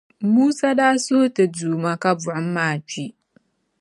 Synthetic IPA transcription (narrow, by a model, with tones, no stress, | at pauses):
muː˦sa˦daː˦so˦tɨ˨duː˨ma˦ka˦bʊ˨ʊ˦m̩˦mːaː˦˨t͡ʃi˦